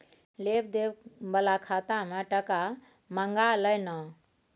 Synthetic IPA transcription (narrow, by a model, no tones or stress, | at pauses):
lep̚d̪ebəlakʰat̪ameʈəka | məŋɡaləjnə